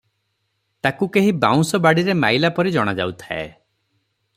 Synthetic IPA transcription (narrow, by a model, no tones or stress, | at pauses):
t̪akukeɦibaw̃sɔbaɽiɾemajlapɔɾid͡ʒɔɽ̃ad͡ʒa̰wt̪ʰa̰ḛ